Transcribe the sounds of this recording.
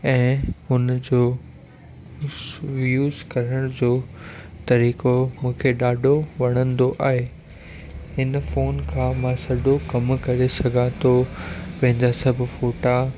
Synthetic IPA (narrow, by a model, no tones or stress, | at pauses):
ɛ̃ːʊnd͡ʑoː | ʋjuːzkɐɾəɽ̃d͡ʑoːt̪ɐɾiːkomũːkʰeɗaːɖʱoʋɐɽ̃ə̃nd̪oʔaːɦe | hɪnfoːnkʰãːmãsɐɖʱokɐmkɐɾesɐɡʱãt̪ʰopɐ̃ɦɪ̃ɲd͡ʑasɐbʱɪ̆foːʈa